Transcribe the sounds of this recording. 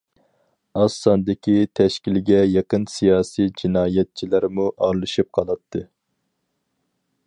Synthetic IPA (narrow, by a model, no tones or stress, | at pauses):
ɑsːɑnd̪ɪkʲʰit̪ʰɛʃkʲilɡʲɛjeqənsijɑːsijd͡ʒinɑːjɛt̪̚t͡ʃʰilæɾmuʔɑɾlˠɨʃip̚qʰɑlˠɑt̪ʰːɨ